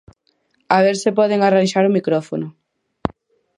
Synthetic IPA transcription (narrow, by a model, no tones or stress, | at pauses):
aβeɾsepɔð̞eŋaranʃaɾʊmikɾɔfonʊ